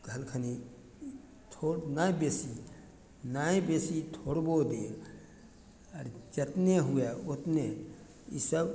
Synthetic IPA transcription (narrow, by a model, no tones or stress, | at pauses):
ɡʱəlkʰəni | t̪ʰoɾnajbeːsi | naːẽbeːsit̪ʰoːɽbod̪e | əɾd͡ʒət̪neɦujaot̪ne | ḭsəb